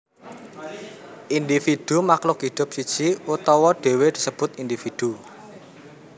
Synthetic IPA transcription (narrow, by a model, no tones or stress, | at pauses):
ʔind̪ifid̥umaklʊkɦid̪̥ʊ̤p̚sid̥ʒ̥iut̪ɔwɔɖ̥e̤wed̪̥isəb̥ʊ̤t̪ind̪ifid̪̥u